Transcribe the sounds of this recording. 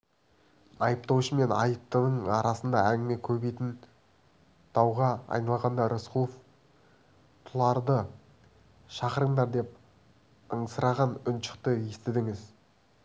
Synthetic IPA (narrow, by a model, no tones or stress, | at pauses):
ɑjəp̚t̪ɑwʃəme̞nɑ̰jəp̚t̪ənəɴɑɾɑsənd̪ɑæŋɡʲɪme̞kʲʰɵbejt̪ɪn | d̪̥ɑwʁɑɑ̰jnɑlˠʁɑnd̪ɑɾosqulˠof | t̪ʰʊlˠɑɾd̪ə | ʃɑqəɾəɴd̪ɑɾd̪e̞p̚ | əɴəsəɾɑʁɑnʊnʃə̥qt̪əjest̪ɪd̪ɪŋɪz